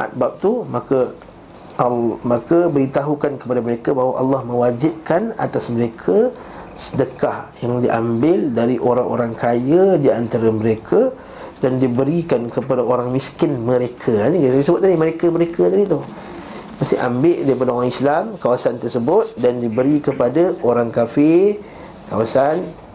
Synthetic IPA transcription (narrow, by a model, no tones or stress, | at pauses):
ʔa̰t̪̚bap̚t̪umakə | makəbəɾit̪aɦukankəpadaməɾekabaɦwaʔɑ̰lːɑhmə̃wad͡ʒɪp̚kana̰t̪asməɾekʰə | sə̥dəkahjaŋdiʔa̰mbɪldaɾiʔoɾaŋʔo̰ɾaŋkʰajədiant̪aɾəməɾekʰə | dandibəɾikankəpadaoɾaŋmiskɪnmə̃ɾekʰəanĩkit̪isəbʊt̪̚ːadiməɾekəməɾekət̪adit̪u | mast̪ɪ̰ha̰mbɪʔdaɾipadaoɾaŋislamkawasant̪ərsəbʊt̪̚dandibəɾikəpadaoɾaŋkafɪr | kawasan